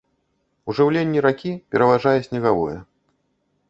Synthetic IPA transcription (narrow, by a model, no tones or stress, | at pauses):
uʐɨwlʲenʲːiɾakʲipʲɛɾɐvaʐajɛsʲnʲɛɣavɔ̰jɛ